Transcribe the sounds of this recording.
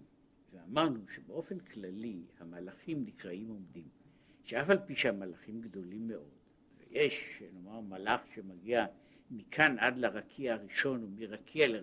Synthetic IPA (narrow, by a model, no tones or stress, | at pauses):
veamaʁnuʃebeʔo̞fe̞nkʰlalihamalaχimnikʁaimo̞mdim | ʃeafalpiʃehamalaχimɡdo̞limːe̞ʔo̞d̥ | vḛjeʃeno̞maʁmalaχʃemaɡia | mikʰanʔadlaʁakʰiahaʁiʃo̞numiʁakʰiale